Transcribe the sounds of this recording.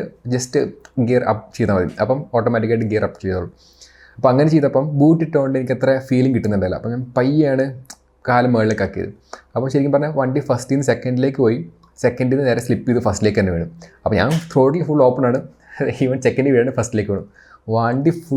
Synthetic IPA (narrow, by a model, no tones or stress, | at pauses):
ɨd͡ʑɐstɨɡerɐ̰p̚t͡ɕejt̪aːmʋɐðḭɐpːɐmoːʈːomɐʈ̬ːikːeʈːɨɡeːɾɐpːt͡ɕejt̪ːoːɭːu | ɐpːɐmɐŋːɐnet͡ɕejt̪ɐpːɐmbuːʈːiʈːoːɳɖɨenikʲːet̪refiːliŋɡkiʈːunːɐɳɖɐðilːɐ̰pːoːɐŋːɐnepɐjaːɳɨ | kaːlɐmːeːɭilekːɐkːijɐ̰ðɨ̰ | ɐpːɐmɕɐɾikʲːɐmpɐrɐɲːɐʋɐɳɖifɐsʈinːɨsekːɐɳɖile̞ːk̬ːɨpoːji | sekːɐɳɖinːɨneːɾɐslipːijɐðɨfɐsʈilekːɨtɐnːɐʋe̞ːɳɖumɐpːoɲa̰ːnt̪ʰoːʈɐlfuɭːo̞ːpːɐnaːɳɨ | iʋɐnsekːɐnɖɨʋiʈːaːɳɖɨfɐsʈile̞ːkːɨpeːɳum | ʋɐɳɖifu